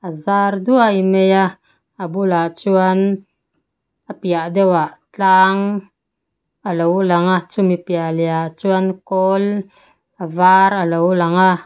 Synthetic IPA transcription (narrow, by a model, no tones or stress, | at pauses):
azard̪uajmeja | abulat͡suan | apjaʔd̪ɛwaʔt͡ɬaŋ | alowlaŋat͡sumipjaljat͡suankɔl | avaɾalowlaŋa